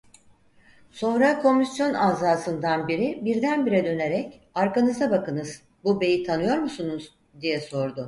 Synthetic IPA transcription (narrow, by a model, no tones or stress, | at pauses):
so̞nɾakʰo̞misjo̞naːzaːsɯnd̪anbiɾibiɾd̪ænbiɾɛd̪ø̞ne̞ɾɛcaɾkanɯzabakɯnɯz̥ | bube̞jit̪ʰanɯjo̞ɾmusunuz | d̪ijɛso̞ɾd̪ʊ